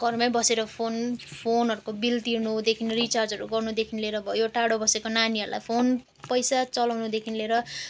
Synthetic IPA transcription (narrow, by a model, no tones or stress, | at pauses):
ɡʌrmʌbʌseɾʌpʰonpʰonʌɾukobilt̪irnud̪ekʰinrit͡sard͡zʌɾuɡʌrnud̪ekʰinleɾʌbʱʌjoʈaɽobʌsekonaniʌɾulʔa̰jpʰon | pʌjsat͡sʌlawnud̪ekʰinleɾʌ